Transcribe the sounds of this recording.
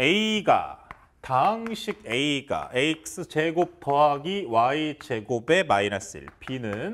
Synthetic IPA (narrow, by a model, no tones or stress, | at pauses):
eiɡa̰ | taŋɕʰiɡe̞iɡa̰ʔeik̚s͈ɯt͡ɕe̞ɡop̚tʰʌɦaɡiwait͡ɕe̞ɡobe̞maiɾas͈ḭɭpʰinɯn